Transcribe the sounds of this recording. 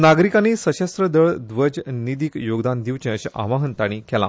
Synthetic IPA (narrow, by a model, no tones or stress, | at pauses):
naɡɾikanisəɕast̪ɾəd̪əɭd̪ʋəd͡ʑnid̪ikjoɡd̪and̪iʋt͡ɕẽɕa̰ʋaɦənt̪aɽ̃ikɛla̰